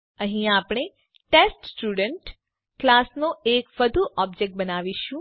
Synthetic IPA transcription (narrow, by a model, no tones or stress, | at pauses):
əɦĩapɳ̃e | ʈesʈsʈuɖəɳʈ | klasnoekʋəd̪ʱuʔɔb̚d͡ʒek̚ʈ̚bənaʋiʃũ